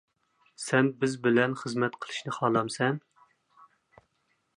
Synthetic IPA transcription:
sɛnbɪzbɪlɛnχəzmɛt̪qʰəlˠɨ̥ʃnɨχɑːlˠɑmsɛn

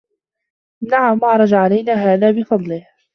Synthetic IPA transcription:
naʕamʔɑʕɾˤɑd͡ʒaʕalajnaːɦaːðaːbɪfɑd̪ˤlɪh

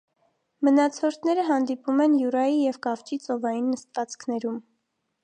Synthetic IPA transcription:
mənɑt͡sʰɔɾt̪ʰnɛɾəɦɑnd̪ipumɛnjuɾɑjijɛvkɑft͡ʃit͡sɔvɑjinːəst̪vɑt͡skʰnɛɾum

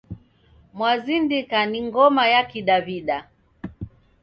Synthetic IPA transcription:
mwazindikaniŋɡɔmajakiɗaβiɗa

